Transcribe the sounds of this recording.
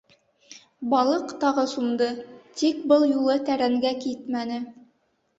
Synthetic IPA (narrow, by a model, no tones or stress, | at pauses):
bɑlˠɤqt̪ɑʁɤsumd̪ɤt̪ik̚bɤlˠjulˠɤt̪æɾæŋɡækit̪mænɘ